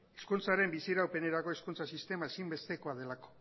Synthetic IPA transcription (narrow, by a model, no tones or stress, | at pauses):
eskunt͡saɾe̞mbisiɾawpe̞ne̞ɾako̞iskunt͡sasist̪e̞maesimbe̞st̪e̞ko̞aðe̞lako̥